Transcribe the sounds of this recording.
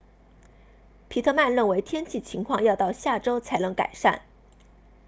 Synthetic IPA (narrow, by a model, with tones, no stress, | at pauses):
pʰi˨˥t̪ʰɤ˥˧ma˥˧nɻə˥˩nwe˧˥ɪt̪ʰjɛ˥nt͡ɕʰi˥˩t͡ɕʰi˧˥ŋkʰwɑ˥˧ŋjɑ˥˧ʊt̪ɑ˥˧ʊɕja˥˩ʈ͡ʂo˥ʊt͡sʰa˧˥ɪnɤ˧˥ŋka̰˨˩ɪʂa̰˥˩n